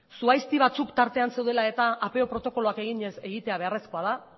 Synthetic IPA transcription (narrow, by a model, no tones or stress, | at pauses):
suajst̪iβ̞at͡sukt̪aɾt̪e̞anse̞wð̞e̞lae̞t̪aʔːpe̞o̞pɾo̞t̪o̞ko̞loake̞ɣiɲese̞ɣit̪e̞aβe̞are̞sko̞að̞a